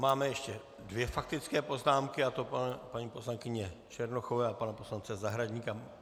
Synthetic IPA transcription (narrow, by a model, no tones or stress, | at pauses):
maːmɛjɛʃcɛ | dvjɛfak̚t̪ɪt͡skɛːpo̞znaːmkɪat̪o̞papaɲiːpo̞slaŋkɪɲɛt͡ʃɛɾnoxovɛapanapo̞slant͡sɛzaɦɾaɟɲika